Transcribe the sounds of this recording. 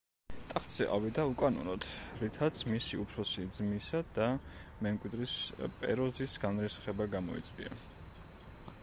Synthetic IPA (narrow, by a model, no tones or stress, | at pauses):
t̪ʼaχt̪sɛ̰ʔa̰vid̪aukʼanɔ̰nɔt̪ɾit̪ʰat̪sʰmisiupʰɾɔsid̪zmisad̪amɛmkʼwid̪ɾispʼɛ̰ɾɔzisɡanɾɛsχɛbaɡamɔḭt̪sʼqʼḭa̰